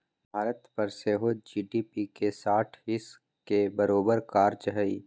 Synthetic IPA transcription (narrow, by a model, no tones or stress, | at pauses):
bʱaːɾət̪pɐɾseːɦod͡ʒiːɖiːpikesaːʈʰɦɪs | kebɐɾoːbəɾkaːɾd͡ʒɦəi